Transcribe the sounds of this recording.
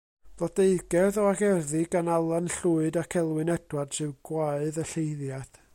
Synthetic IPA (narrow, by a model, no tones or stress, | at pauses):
ð̥ɔdeɨɡɛðɔaɡɛrðɪɡanalˠanɬuɨdakʰɛlˠwɨnɛdwad̥sɨwɡ̥waɨðəɬejðjaθ